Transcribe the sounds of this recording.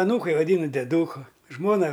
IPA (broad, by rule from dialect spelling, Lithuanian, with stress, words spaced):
ɐˈnuːkɐɪ ʋɐˈdʲiːnʊ dʲɛˈduːkʊ ˈʒmoːnɐ